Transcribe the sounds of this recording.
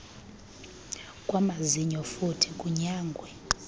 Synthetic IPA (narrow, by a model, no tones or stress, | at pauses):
kʼwamaziɲɔfutʰikʼuɲaːŋɡʱwɛ